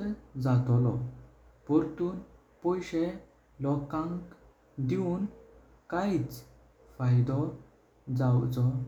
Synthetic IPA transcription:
ɾd͡zat̪ɔlɔ | pɔɾt̪uːn | pɔjɕe | lɔkãŋk | d̪iun | kait͡s | fajd̪ɔ | d͡zawt͡sɔ

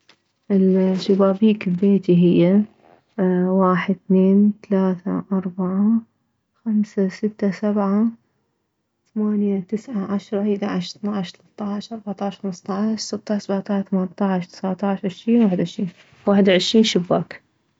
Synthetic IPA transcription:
ʔɪlʃabaːbiːkɪlbeːt̪iɦɪjːa | waːħɪd̪̚θneːnt̪alaːθa̰ʔɑɾˤbaʕa | xamsasɪt̪ːasabʕa | θamaːnjat̪ɪsʕaʕaʃɾˤɑʔid̪aʕaʃθnaʕʃt̪alɑt̪ˤːɑʕʃʔɑɾˤbɑʕt̪ˤɑʕɪʃxamst̪ˤɑʕʃsɪt̪ːɑʃsabaʕt̪ˤɑʕθamant̪ˤɑʕʃt̪ɪ̥sʕat̪ˤɑʕʃʕɪʃɾiːnwaːħd̪ʕɪʃɾiːn | waːħɪd̪wʕɪʃɾiːnʃʊbːaːk

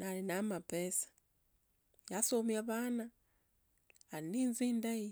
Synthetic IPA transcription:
nalinamapesḁ | jasoːmiaβaːna | liniːnziːndaji

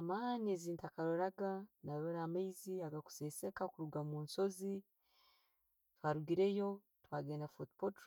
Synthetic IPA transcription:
amaːnieziːntakaɾoɾaɡanaɾoɾamaiziaɡaku̥sese̞kakuɾuɡamuːnso̞zi | twaːɾuɡiɾe̞jo̞ | twaːɡeːnafotpot

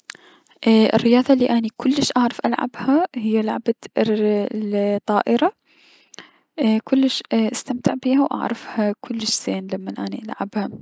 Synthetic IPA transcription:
ʔɪ̰rːɪjɑːðˤɑliːʔanikʰʊlːɪʃʔaʕɾˤɑfʔalʕa̰bhahɪjːalaʕaba | t̪ˤːɑːʔɪɾˤa | kʊlːɪʃʔast̪amt̪ɪʕbiːhawʔa̰ʕɾˤɑfhakʰʊlːɪʃz̥eːnlamːanʔaniʔalʕa̰bha

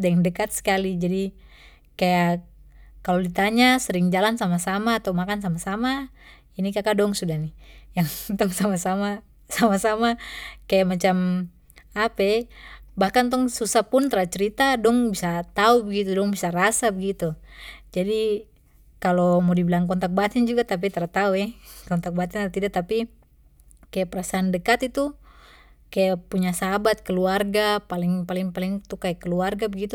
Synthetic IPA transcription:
dɛŋdɛkat̪̚sɛ̥kalid͡ʒadi | kaja | kalɔdit̪aɲasɛɾiŋd͡ʒalansamasamaːt̪aumakans̬amasama | inikakadɔŋsudahnijaŋt̪ɔŋsamasama | samasamakajamat͡ʃam | apɛbahkant̪̬ɔŋsusapunt̪ɾat͡ʃɛɾit̪adɔŋbisat̪aubɛɡit̪udɔŋbisaɾasabɛɡit̪ud͡ʒadi | kalɔmɔdibilaŋkɔnt̪ak̚bat̪ɛnd͡ʒuɡat̪ap̬it̪aɾat̪auɛkɔnt̪ak̚bat̪ɛnat̪idat̪api | kajapɛɾasaːndɛkat̪it̪u | kajapuɲasabat̪̚kɛluarɡapaliŋpaliŋpaliŋt̪ukajakːɛluarɡabɛɡit̪u

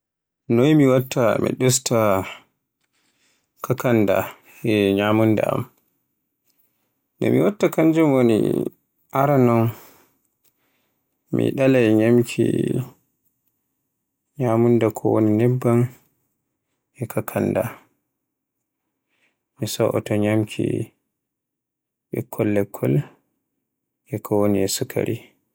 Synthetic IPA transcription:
nojmiwatːamḭɗɔsta | kakanda̰ | ɛɲamunda̰a̰m | ndɔ̰mḭwatːakaɲd͡ʒumwonḭ | ʔaɾanɔn | mḭɗalajɲamkʰḭ | ɲamundakʰɔwo̰ninɛbːan | ʔɛkʰakʰanda̰ | misɔʔɔtɔɲamkʰḭ | ɓɛkʰːɔlːɛkʰːɔl | ʔɛkʰɔwoniɛsukʰa̰ɾḭ

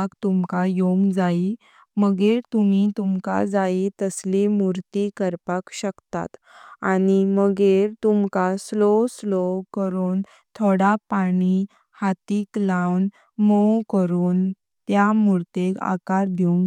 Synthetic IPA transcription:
kt̪umkajoŋɡd͡zai | məɡeɾt̪um̤it̪umka̰d͡zait̪əslimuɾt̪ikəɾpakɕəkt̪a̰t̪ | a̰niməɡeɾt̪umkasloslokəɾuːn | t̪ʰoɽapaɽ̃i | hat̪iːklawn | mokəɾuːn | t̪jamuɾt̪eka̰kaɾb̪ʱjoŋ

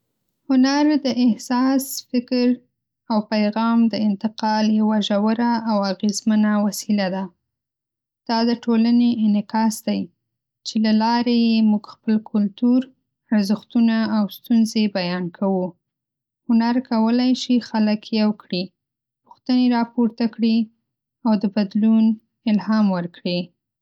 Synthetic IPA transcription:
hʊnaɾd̪əʔɪhsɑsfɪkɾ | awpajɣɑmd̪əɪnt̪ɪqɑljawaʒawəɾaʔːwaɣezmənawasilad̪a | d̪̥ɑd̪əʈʰolaneʔɪnɪkɑsd̪aj | t͡ʃelalɑɾejemuɡxpəlkʰʊlt̪uɾ | aɾzəxt̪unaːwst̪unzebajɑnkʰawu | hʊnaɾkawəlajʃixaləkʰjawkɽi | pʊ̥xt̪əneɾɑpoɾt̪akɽi | awd̪əbad̪lun | ɪlhɑmwəɾkɽi

